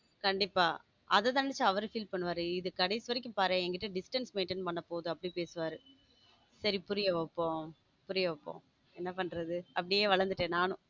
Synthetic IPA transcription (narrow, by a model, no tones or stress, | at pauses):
kɐɳɖɪpːaː | ʔɐ̰ðɐt̪ãːnɛɽɪt͡ʃːɯɐʋɐɾɯfiːlpɐɳːɯʋaːɾɯɪðɯkɐɽɐɪsɯʋɐɾɪk̬ʲːɯ̃mpaːɾẽɛŋɡɐɪːɯɖɪsʈɐnsmeːnʈɪnpɐɳːɐpoːðɯɐpːɐɽipeːsɯʋaːɾɯ | sɐɾipʊɾɪjɐʋɐpːõː | pʊɾɪjɐʋɐpːõ̰ː | ɛnːɐpɐɳːɾɐðɯɐpːɐɽɪjeːʋɐɭɐɾnd̪ɯʈːẽːnaːnʊ̃